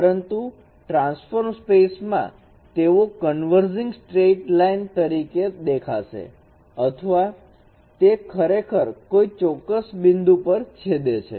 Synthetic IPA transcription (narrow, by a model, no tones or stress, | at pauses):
pəɾənt̪u | ʈɾãnsfoɾmspesmã̰ | t̪eõkənʋəɾd͡ʒɪ̃ŋɡsʈɾeʈlaint̪əɾiked̪ekʰa̰ʃḛ | ət̪ʰəʋa | t̪ekʰəɾekʰəɾkoit͡ʃɔkːəsbɪnd̪upəɾt͡ʃʰed̪et͡ʃʰḛ